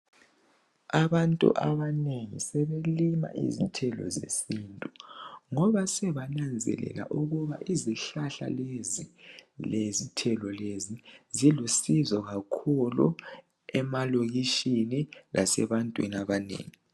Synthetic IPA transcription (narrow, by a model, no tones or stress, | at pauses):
aβantʼṵʔaβaneŋisɛβelima̰ʔḭzitʰɛlɔ̰zḛsintʼuŋɔβasɛβanand͡zʱɛ̰lɛ̰la̰ʔuɣuβa̰ʔiziɬaɬa̰lezilezitʰɛlɔlezizilusizɔɣakʰulṵ | ɛmaloɣiʃinilʔasɛβantʼwḭnaβanḛːŋi